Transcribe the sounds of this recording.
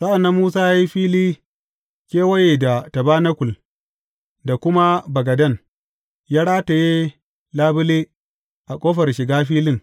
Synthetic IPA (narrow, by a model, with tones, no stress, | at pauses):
sa˦ʔa˨nːa˦mːuː˦saː˦jaː˦ji˦ɸiː˦liː˦ | kʲeː˦wɐ˦je˨da˨ta˨baː˦nɐ˦kʷʊ˨l | da˨kʷʊ˦ma˦bɐ˨ɡɐ˨dɐ˦n | jaː˦ɽaː˦ta˨je˦ | laː˦bʊ˦leː˦ | ʔa˨kʷʼoː˦ɸɐ˨rʃɪ˨ɡaː˦ɸiː˦lɪ˦ŋ